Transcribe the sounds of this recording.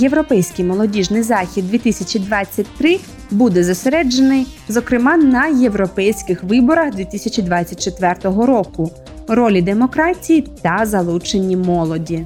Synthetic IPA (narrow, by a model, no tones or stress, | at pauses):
je̞ʋɾɔpɛjsʲkɪjmɔlˠɔdʲiʒnɪjzɑxʲid̪̚d̪ʲʋʲit̪isʲɐt͡ʃid̪ʋɑt͡sʲːɐtʲt̪ɾɪ | bud̪ɛzɐseɾɛd͡ʒenɪjzɔkɾɪmɑnɐje̞ʋɾɔpɛjsʲkɪxʋɪbɔɾɐxd̪ʋʲit̪isʲɐt͡ʃid̪ʋɑt͡sʲːɐt̚ʲt͡ʃet̪ʋɛrt̪ɔɦɔɾɔkʊ | ɾɔlʲid̪e̞mɔkɾɑtʲijit̪ɐzɐlˠut͡ʃenʲːimɔlˠɔdʲi